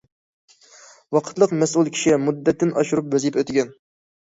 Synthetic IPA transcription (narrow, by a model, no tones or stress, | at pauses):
wɑqʰət̪lˠəqmɛsulˠkʲʰi̥ʃimud̪ːɛt̪ːɪnɑʃuɾup̚bøzipøt̪ɪɡʲɛn